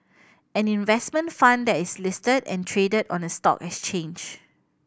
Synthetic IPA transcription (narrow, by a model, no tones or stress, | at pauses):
ɛ̃nĩnvɛsmə̃nfãndɛtislɪstədɛ̰̃ntʰɹedədɔ̰̃nəstɔ̰kɛkst͡ʃẽnd͡ʒ